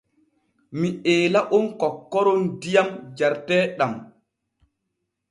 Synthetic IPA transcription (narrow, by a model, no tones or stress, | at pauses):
miʔɛːlaʔɔnkɔkːɔɾɔndijamd͡ʒaɾtɛːɗam